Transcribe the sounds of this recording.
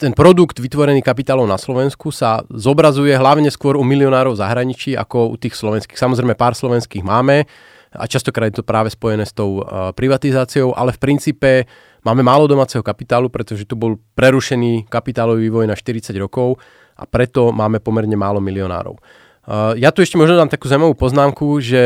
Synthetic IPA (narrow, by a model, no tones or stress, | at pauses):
t̪ɛnpɾɔd̪uɡd̪ʋit̪ʋɔɾɛniːkapit̪aːlɔʊnaslɔʋɛnskusazɔbɾazujɛɦlaʊɲɛskʊɔɾumiliɔnaːɾɔʊzaɦɾaɲit͡ʃiːa̰kɔṵt̪iːxslɔʋɛnskiːxsamɔzɾɛɪmɛpaːɾslɔʋɛnskiːɣmaːmɛ | a̰t͡ʃast̪ɔkɾaːd̪jɛt̪ɔpɾaːʋɛspɔjɛnɛːst̪ɔʊpɾiʋat̪izaːt͡siɔʊʔa̰lɛfpɾint͡siːpɛ | maːmɛmaːlɔd̪ɔmaːt͡sɛɦɔkapit̪aːlupɾɛt̪ɔʒɛt̪ubɔlpɾɛɾuʃɛniːkapit̪aːlɔʋiʋiːʋɔjnaʃt̪iɾit͡saɟɾɔkɔʊ | ʔa̰pɾɛt̪ɔmaːmɛpɔmɛɾɲɛmaːlɔmiliɔna̰ːɾɔ̰ʊ | jat̪uɛʃcɛmɔʒnɔd̪aːmt̪akuːzaʊmaʋuːpɔznaːmkuʒɛ